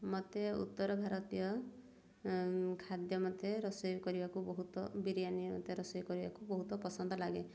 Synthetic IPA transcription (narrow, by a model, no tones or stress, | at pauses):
mɔt̪eṵt̪ːɔɾɔbʱaɾɔt̪ijɔ | kʰad̪jɔmɔt̪eɾɔsɔjkɔɾibakubɔɦut̪ɔbiɾijanimɔ̰t̪eɾɔsɔjkɔɾibakubɔɦut̪ɔpɔsɔnd̪ʱɔlaɡe